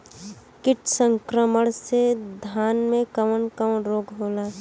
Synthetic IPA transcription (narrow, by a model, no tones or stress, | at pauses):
kɪʈsə̃ŋkɾəməɽ̃sed̪ʱaːnmẽkəʋənkəmənɾoːɡɦoːlaː